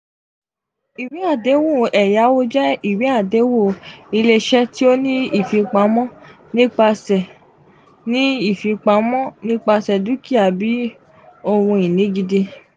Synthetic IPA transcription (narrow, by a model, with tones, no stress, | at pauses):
i˨wi˨˦a˦˨de˨˦wo˦˨ɛ˨ja˨˦o˦d͡ʒɛ˦i˦˨wi˨˦a˦˨de˨˦wo˦˨i˧le˧ʃɛ˦ti˦o˦nĩ˦i˦˨fi˨˧k͡pa˧˦mɔ̃˦ | nĩ˦k͡pa˧sɛ˨ | nĩ˦i˦˨fi˨˧k͡pa˨˧˦mɔ̃˦nĩ˦k͡pa˧sɛ˨du˦ki˦a˨bi˨˦ | o˧wũ˧i˨nĩ˨˦ɡi˧de˧